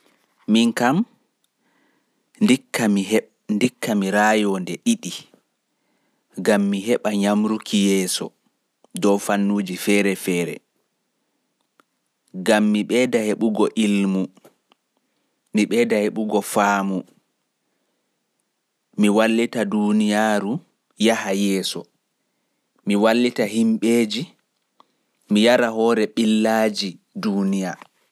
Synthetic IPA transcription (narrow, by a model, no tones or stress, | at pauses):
miŋkam | ndikːami | ndikʰːamiɾaːjɔndɛɗiɗi | ɡamːiɦɛɓaɲamɾukʰijɛːsɔ̰ | dɔwfanːuːd͡ʒifɛːɾɛfɛːɾɛ̰ | ɡamːiɓɛdaheɓuɡɔʔilmu | miɓɛdaheɓuɡɔfaːmu | miwalːitadunijaːɾu | jahajɛːsɔ̰ | miwalːitaɦimɓeːd͡ʒi | mijaɾaɦɔːɾɛɓilːaːd͡ʒidunija